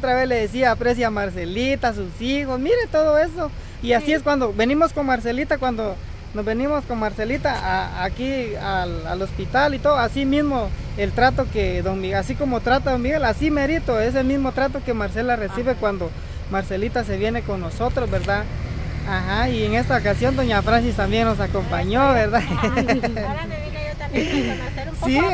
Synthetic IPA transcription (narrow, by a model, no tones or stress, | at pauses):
ot̪ɾaβesleðes̬iaːpɾes̬jamaɾs̬elit̪aːs̬usixosmiɾet̪oðoeso | iasies̬kwand̪oβenimoskoŋmaɾs̬elit̪akwand̪o | nozβenimoskoŋmaɾselit̪aaakiala̰lospit̪alit̪oðoasimizmoelt̪ɾat̪oked̪oŋmiasikomot̪ɾat̪aðoŋmiɣelasimeɾit̪oes̬elmizmot̪ɾat̪̬okemaɾselaresiβekwand̪o | maɾselit̪as̬eβjenekoŋnosot̪ɾosbeɾd̪a | axaieŋest̪aokasjond̪oɲafɾansist̪ambjeŋnos̬akompaɲoβeɾd̪a | si